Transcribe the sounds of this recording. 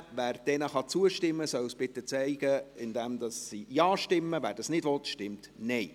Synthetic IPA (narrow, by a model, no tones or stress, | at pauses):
ʋæːɾd̥ɛnəχɑt͡suəʃtɪmːəsœwsb̥ɪt̪ət͡sɛɪɡ̥əɪnd̪ɛmd̥̪ɑsːijɑːʃtɪmːəvæːɾdɑsnɪdʋɔt̪ʃtɪmtnɛɪ